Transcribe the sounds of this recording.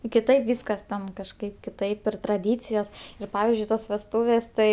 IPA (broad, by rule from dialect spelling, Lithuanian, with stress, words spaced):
kʲɪˈtɐɪp ˈʋʲiːskɐs tʲɛn kɐʃˈkɐɪp kʲɪˈtɐɪp ɪr trɐˈdʲiːt͡sʲɪjoːs ɪr ˈpɑːʋʲɪzʲd͡ʒʲʊɪ ˈtoːs ʋʲɛsˈtuːʋʲeːs ˈtɐɪ